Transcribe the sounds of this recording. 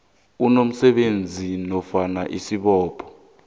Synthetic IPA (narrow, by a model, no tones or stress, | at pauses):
unom̩sɛɓend͡zʱinɔfanaʔisiɓɔːpʰɔ̥